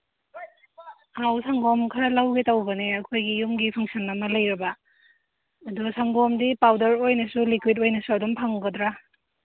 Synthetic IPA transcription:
awsʰaŋɡɔmkʰɐɾɐlawɡetɐwbɐneɐkʰojɡijumɡipʰɐŋsɐnɐmɐlɐjɾɐbɐ | dɔsʰaŋɡɔmdipawdɐɾojnɐsulikwidojnɐsuɐdumpʰaŋɡɐdɾa

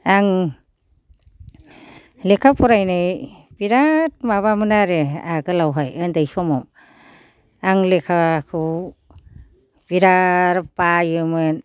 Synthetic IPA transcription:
aŋ | lekʰapʰɔɾajnɯjb̥iɾat̚maβamɯnaɾeaɡɯlawɦajɯndajsɔmɔm | aŋlekʰakʰɯw | b̥iɾaɾpajɯmɯn

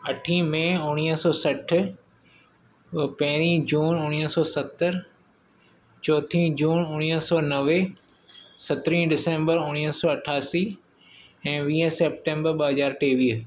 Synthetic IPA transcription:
ɐʈʰĩmẽːʊñiːəsɔːsɐʈ̆ʰ | pɐ̃ɦɪɾ̃ĩd͡ʑuːnʊñiəsɔːsɐt̪ːəɾ | t͡ɕɔːt̪ʰĩːd͡ʑuːnʊñiɦsɔːnɐʋe | sɐt̪ɾĩːɖɪsẽːmbəɾʊñisɔːɐʈʰaːsi | ɛ̃ːʋĩːə̃sep̚ʈẽːmbəɾɓəɦɐzaːɾʈeːʋiːɦ

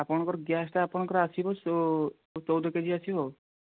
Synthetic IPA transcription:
apɔɽ̃ɔkɔɾɔɡjasʈaapɔɽ̃ɔkɔɾɔasibɔ | t͡ʃɔwd̪ʱɔked͡ʒʱiasibɔ

